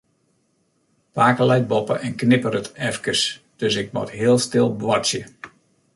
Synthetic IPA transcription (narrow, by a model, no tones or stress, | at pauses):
paːkəlɛjt̚bɔpə̰ʔɛnknɪpəɾətɛfkəs | d̥øsɪk̚mɔ̰tɦɪəlˠstɪlˠbʋɔsjə